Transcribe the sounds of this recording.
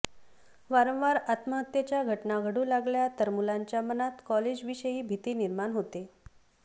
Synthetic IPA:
ʋaɾə̃w̃ʋaɾat̪məɦət̪jat͡ɕjaɡʱəʈnaɡʱəɽũːlaɡljat̪əɾmulaɲt͡ɕjamənat̪kɔled͡ʑʋiɕəjiːbʱit̪iːniɾmaɳɦot̪e

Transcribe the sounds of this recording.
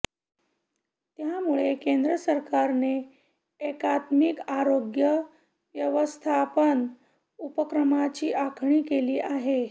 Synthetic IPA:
t̪jamuɭekend̪ɾəsəɾkaɾneː | kat̪mikaɾoɡjə | ʋjəʋəst̪ʰapən | upəkɾəmat͡ɕiːʔakʰɳ̃iːkeliːʔaɦe

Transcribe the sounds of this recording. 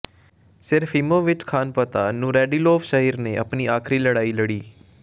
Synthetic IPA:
sɪɾfʰɪmõːʋɪt͡ʃkʰaːnpət̪aːnũːɾɛːɖiːloːʋʃəɦiːɾneːʔə̰pniːaːkʰɾiːləɽaːiːləɽiː

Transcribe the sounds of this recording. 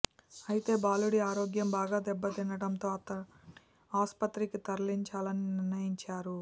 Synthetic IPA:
ɐjit̪e̞ːbaːluɽiaːɾo̞ːɡjɐmbaːɡaːd̪ɛbːɐt̪inɐɽɐnt̪o̞ːɐt̪ɐ | aːspɐt̪ɾikit̪ɐɾliɲt͡ʃaːlɐninɪɾnɐjiɲt͡ʃaːɾu

